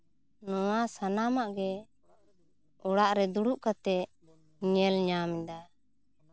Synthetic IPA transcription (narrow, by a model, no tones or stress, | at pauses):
nɔwasanamaʔɡɛ | ɔɽaʔɾɛd̪uɽuʔkat̪ɛʔ | ɲɛlɲamid̪a